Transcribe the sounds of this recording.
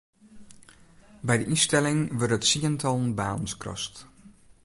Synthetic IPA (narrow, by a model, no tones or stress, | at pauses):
bɛjdəʔistɛlɪŋʋørtdətsiəntʰɔlˠnbaːnn̩skrɔ̰st